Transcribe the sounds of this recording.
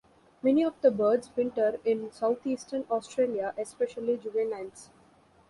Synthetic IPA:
mɛniɔʋd̪əbəːɖzʋɪ̃ɳʈəɾɪ̃nsaʊt̪ʰiːsʈənɔːsʈɾeːliaʔespeʃəlid͡ʒuʋẽnãns

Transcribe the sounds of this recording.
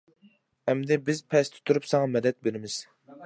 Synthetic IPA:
ɛmd̪ɛbɪzpʰɛst̪ʰʊ̥t̪ʰuɾypsɑŋɑmɛd̪ɛt̪̚beɾɪmɪz̥

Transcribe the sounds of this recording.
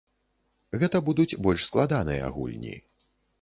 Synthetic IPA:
ɣɛt̪ɐbud̪ut͡sʲbɔlʲʂsklˠad̪anɨjɐ̰a̰ɣṵlʲnʲḭ

